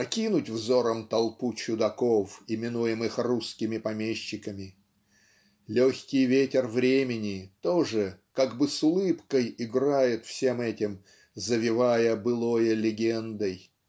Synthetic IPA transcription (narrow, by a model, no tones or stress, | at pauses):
pɐkʲinʊtʲvzo̞ɾəmt̪ɐlˠput͡ɕʊd̪ɐkofɪmʲɪnujɪmɨxruskʲɪmʲɪpɐmʲeɕːɪkəmʲɪ | lʲoxʲkʲɪjvʲetʲɪrvɾʲemʲɪnʲɪt̪oʐɨkaɡbɨsʊlˠɨpkəjɪɡrajɪt̪fsʲe̞mɛtʲɪm | zəvʲɪvajəbɨlˠojəlʲɪɡʲend̪əj